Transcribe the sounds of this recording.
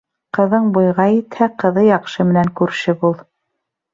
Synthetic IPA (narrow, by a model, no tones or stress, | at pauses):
qɤ̆ðɤɴbujʁɑit̪hæqɤ̆ðɤjɑqʃɤmɘ̆næŋkʉɾʃɘbulˠ